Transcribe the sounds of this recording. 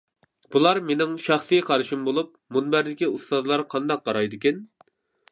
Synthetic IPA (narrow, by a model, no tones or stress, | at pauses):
b̥ulˠɑɾmenɪŋʃɑχsɨjqʰɑɾɨʃimbolˠup̚munbæɾd̪ɪkʲiust̪ɑd̪lˠɑɾqʰɑnd̪ɑq̚ːɑɾɑjd̪ɨkʲɛn